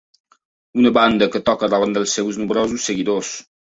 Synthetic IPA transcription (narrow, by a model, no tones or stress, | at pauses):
unəβand̪əkət̪ɔkəðaland̪əlˠsewznumbɾɔzusːəɣiðos